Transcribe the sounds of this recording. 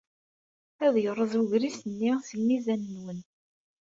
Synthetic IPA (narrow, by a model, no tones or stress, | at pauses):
æðjərˤːəzˤuʝɾisənːisəmːizænənwən